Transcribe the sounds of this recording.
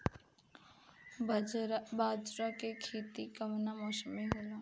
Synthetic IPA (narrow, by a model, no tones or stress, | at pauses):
baːd͡ʒɾakekʰiːt̪ikəmnamɔːsəmeɦelõː